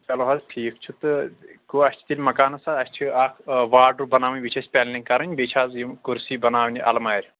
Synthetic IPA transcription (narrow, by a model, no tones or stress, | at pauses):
t͡ʃɐloɦɐzʈʰiːk̚t͡ʃʰut̪ɨkuɐsʲt͡ʃʰi̥t̪ilʲmɐkaːnɐsaɐsʲt͡ʃʰiaːkʋaːɾɖɾubɐnaːʋɐnʲbit͡ʃʰɐsʲpʲɛllʲiŋkɐɾɐnʲbet͡ʃʰaːzjimkuɾsiːbɐnaːʋnʲiʔɐ̰lmaːɾʲ